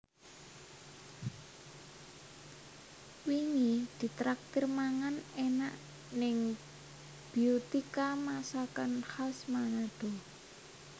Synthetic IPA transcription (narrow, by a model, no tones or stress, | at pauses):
wiŋid̪̥i̤t̪ɾak̚t̪ɪrmaŋanenaʔ | nɪŋ | b̥i̤ot̪ikamasakanhasmanad̪̥ɔ̤